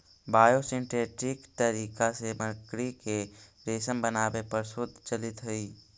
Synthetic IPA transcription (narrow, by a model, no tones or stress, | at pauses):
baːjosɪ̃ɳʈeːʈɾɪkt̪əɾiːkaseməkɽikeɾeːsəmbənaːʋepəɾsʊd̪ʱt͡ʃəlɪt̪ɦəiː